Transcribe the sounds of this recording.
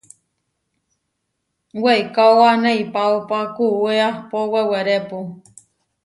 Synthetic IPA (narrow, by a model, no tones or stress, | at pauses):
wejkawaneipaupakuweapoweweɾepu